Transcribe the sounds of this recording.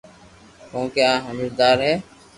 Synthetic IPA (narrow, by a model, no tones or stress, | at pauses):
kõːkeãːɦəməɾd̪aːɾɦɛː